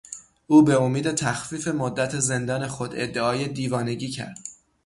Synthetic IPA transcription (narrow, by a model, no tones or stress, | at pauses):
ʔuːbe̞omiːd̪e̞t̪ʰæxfiːfe̞mod̪ːæt̪ʰe̞ze̞nd̪ɒːne̞xo̞d̪e̞̰d̪ːe̞ɒːjed̪iːvɒːne̞ɟiːcʰæ̰ɾd̪̥